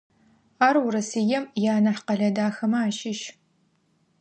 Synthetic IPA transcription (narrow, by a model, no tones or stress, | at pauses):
aːrwʊɾɐsijɛmjaːnɐħqɐɮɐdaːxɐmɐaːʃɪʃ